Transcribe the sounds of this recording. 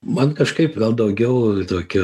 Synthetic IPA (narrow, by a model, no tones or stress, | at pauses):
mɐnkɐʃkɐɪpɡɐlˠd̪ɐʊɡʲɛʊt̪oːkʲʊ